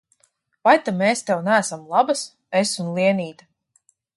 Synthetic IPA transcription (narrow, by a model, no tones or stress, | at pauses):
vajt̪ameːst̪ɛwnæːsamlˠabas | esunlˠiɛniːt̪a